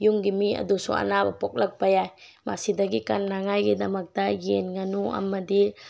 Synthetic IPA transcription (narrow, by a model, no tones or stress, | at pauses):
juŋɡimia̰dusṵa̰nabapɔk̚lək̚pajajma̰sidaɡikanːaŋajɡidamak̚daɡenŋanua̰madi